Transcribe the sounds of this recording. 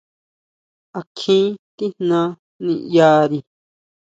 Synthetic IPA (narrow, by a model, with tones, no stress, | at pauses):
a˧kʰĩ˦t̪i˦n̥nã˧ | nĩ˧ja˧˦ɾi˧